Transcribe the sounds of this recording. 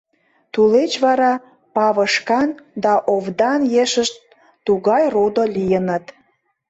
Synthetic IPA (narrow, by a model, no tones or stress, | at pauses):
t̪ulet͡ɕβɑɾɑ | pɑβəʃkɑnd̪ɑʔovd̪ɑnjeʃəʃt̪̚ː | uɣɑjrod̪olʲijənət̪